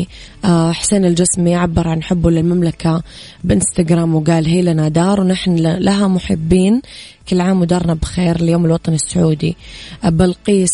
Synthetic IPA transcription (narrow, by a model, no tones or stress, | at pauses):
ʔaħseːnɪld͡ʒɪsmiʔʕabːɪɾˤʕanħɪbːulɪlmamlaka | bʔɪnst̪aɡɾaːmwɡaːlɦiːlanad̪ɑːɾˤwnaħnlaɦamʊħɪ̰bːiːn | kɪlːʕaːmʊd̪ɑːɾˤnabxeːɾljoːmɪlwɑt̪ˤɑnɪsːʊʕuːd̪ḭbɪlqiːs